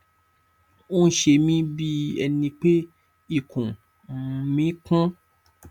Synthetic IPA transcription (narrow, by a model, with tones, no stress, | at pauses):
o˦n̩˦ʃe˧mĩ˦bi˦ɛ̰˧nĩ˧k͡pe˦ | i˦˨kʰũ˨˦˧ | mĩ˨˦kũ˦